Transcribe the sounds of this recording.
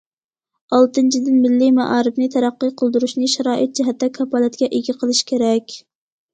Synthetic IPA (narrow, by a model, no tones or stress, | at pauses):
ɑlˠt̪ɨnt͡ʃʰid̪ɪnmɪlːimɑ̰ʔɑːɾɨbnɨt̪ʰæɾæqːɨqʰəlˠd̪uɾuʃnɨʃæɾɑːʔɨt̪̚d͡ʒiɦɛt̪ːɛkʰɑpɑlˠɨt̪̚kʲɛʔeɡʲɪqʰəlˠɨʃkʲʰeɾɛkʲ